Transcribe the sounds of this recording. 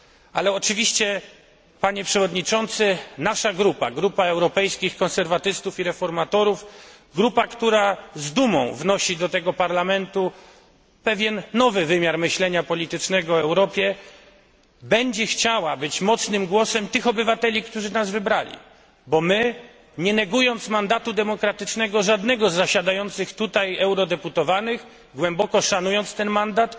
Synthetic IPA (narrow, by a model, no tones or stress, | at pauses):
alɛɔt͡ʂɘvʲiɕt͡ɕɛ | paɲɛpʂɛvɔd̪ɲit͡ʂɔnt̪sɘnaʂaɡɾupa̰ɡɾupaɛwɾɔpɛjskʲixkɔ̃nsɛɾvat̪ɘst̪ufiɾɛfɔɾmat̪ɔɾuf | ɡɾupakt̪uɾazd̪umɔ̰̃w̃vnɔɕid̪ɔt̪ɛɡɔpaɾlamɛnt̪u | pɛvʲjɛnːɔvɘvɘmʲjaɾmɘɕlɛɲapɔlʲit̪ɘt͡ʂnɛɡɔɛwɾɔpʲjɛ | bɛɲd͡ʑɛxt͡ɕawabɘt͡ɕmɔt̪snɘmɡwɔsɛmt̪ɘxɔbɘvat̪ɛlʲikt̪uʐɘnazvɘbɾalʲḭ | bɔmɘ | ɲɛnɛɡujɔnt̪smand̪at̪ud̪ɛmɔkɾat̪ɘt͡ʂnɛɡɔʐad̪nɛɡɔzːaɕad̪ajɔnt̪sɘxt̪ut̪ajɛwɾɔd̪ɛput̪ɔvanɘx | ɡwɛmbɔkɔʂanujɔnt̪st̪ɛnmand̪at̪